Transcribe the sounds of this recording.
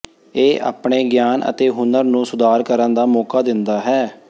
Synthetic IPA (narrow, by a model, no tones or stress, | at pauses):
eːʔa̰ːpɳeːɡjaːnə̰t̪eːɦʊnəɾnũːsʊd̪aːɾkəɾənd̪aːmɔːkaːd̪ɪnd̪aːɦɛː